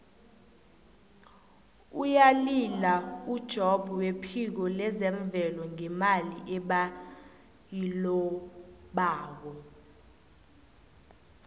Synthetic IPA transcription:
ujalilaud̥ʒ̥ʱɔb̥ʱuwepʰik̬ɔlɛzɛɱb̪vʱɛlɔŋɛmaliʔɛɓa | jilɔ | ɓaːk̬ɔ

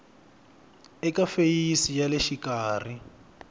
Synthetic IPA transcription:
ɛkafejisijaleʃikaːri

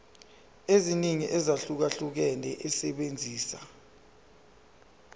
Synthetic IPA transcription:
eziniŋiʔɛzaɬuk̬aɬuk̬ɛnɛʔɛsɛɓend͡zʱiːsa

